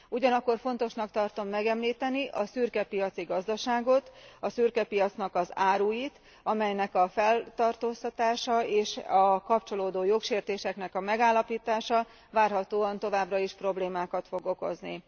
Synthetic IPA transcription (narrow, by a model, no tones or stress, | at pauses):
uɟɒnɒkːo̞rfo̞n̪t̪o̞ʃnɒkt̪ɒrt̪o̞mːɛɡɛmliːt̪ɛniʔɒsyːrkɛpijɒt̪siɡɒzd̪ɒʃaːɡo̞t̪ɒsyːrkɛpijɒt̪snɒkɒzaːɾuːjit̪ | ɒmɛjnɛkɒfɛlt̪ɒrt̪oːst̪ɒt̪aːʃɒeːʃɒkɒpt͡ʃo̞loːd̪oːjo̞kʃeːrt̪eːʃɛknɛkɒmɛɡaːlːɒpiːt̪aːʃɒ | vaːrɦɒt̪oːɒnt̪o̞vaːbrɒiʃpro̞bleːmaːkɒt̪fo̞ɡo̞ko̞̰znḭ